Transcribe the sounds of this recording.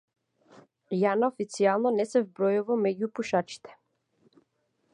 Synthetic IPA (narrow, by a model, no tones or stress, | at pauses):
janaɔfit̪sialˠnɔnɛsɛvbɾɔjuvamɛɟupuʃat͡ʃi̥t̪ɛ̥